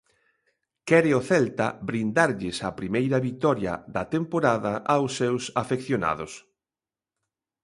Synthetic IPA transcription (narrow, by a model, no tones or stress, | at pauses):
kɛɾɪoθɛlt̪ɐβɾind̪aɾʎɪsapɾimejɾɐβit̪ɔɾjɐ̰ðɐt̪empoɾaðɐʔawsːewsafekθjona̰ðʊs